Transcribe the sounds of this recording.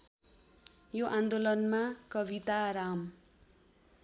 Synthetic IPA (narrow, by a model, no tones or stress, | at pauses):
joʔand̪olʌnmakʌbit̪aɾam